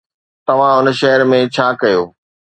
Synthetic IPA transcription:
t̪ɐʋ̤ãʊnəʃɐɦəɾmẽt͡ɕʰaːkɐjoː

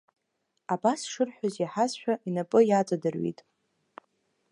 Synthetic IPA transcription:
abasʂɨrħᶣʷazaħazʃᶣaʔinapʼɨjat͡sʷʼadɨrɥḭtʼ

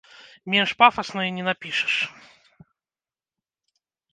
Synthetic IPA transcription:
mʲenʂpafɐsnɔjinʲɛnapʲiʂɨ̥ʂ

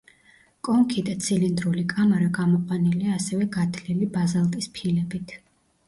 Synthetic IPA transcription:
kʼɔŋkʰid̪at̪sʰilind̪ɾulikʼamaɾaɡamɔqʼwaniliaːsɛvɛɡat̪ʰlilibazalˠt̪ʼispʰilɛbit̪ʰ

